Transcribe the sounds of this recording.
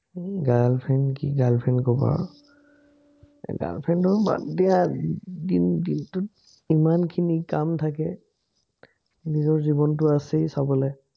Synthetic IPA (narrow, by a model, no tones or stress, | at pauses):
ɡalpʰɛnkiɡalpʰɛnkɔba̰ɹ | ɡa̰lpʰɛntʊba̰dɛadindintʊt | imankʰinikamtʰakɛ | nizɔɹzibɔntʊasɛsabɔlɛ